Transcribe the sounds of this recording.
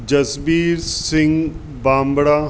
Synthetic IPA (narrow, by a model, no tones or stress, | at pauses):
d͡ʒɐsbiːɾsɪ̃ŋɡ | bãːmbɽaː